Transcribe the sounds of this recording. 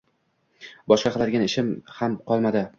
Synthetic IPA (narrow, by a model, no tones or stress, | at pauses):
bɒʃqɑqʰlˠad̪ɪɡʲanɪʃɪmhamqʰɒlˠmad̪ɪ